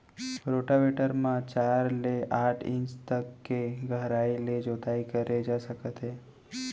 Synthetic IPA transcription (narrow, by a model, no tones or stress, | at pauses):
pɾoʈaʋeʈəɾmãt͡ʃaɾleʔaʈʰḭ̃nt͡ʃt̪əkːeɡʱəɦɾailed͡ʒot̪aikəɾed͡ʒaʃəkət̪ɦe